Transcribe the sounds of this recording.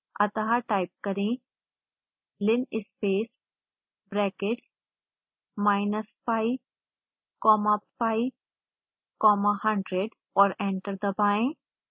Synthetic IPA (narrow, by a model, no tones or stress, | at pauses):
ɐt̪ɐɦaʈaɪp̚kɐɾẽ | lɪnɪspeːs | bɾɛːkeʈs | maːɪnəspaɪ | kɔːmapfai | kɔːmahɐ̃ɳɖɾeɖ | ɔːɾẽɳʈəɾd̪ɐbaːẽ